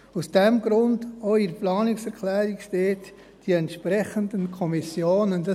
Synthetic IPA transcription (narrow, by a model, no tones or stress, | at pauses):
usd̥ɛmɡɾʊndoiɾplɑːnɪksɛɾkʰlɛːɾikʃteːt | d̥iɛntʃpɾɛχəndənkʰɔmisjoːnəndɑ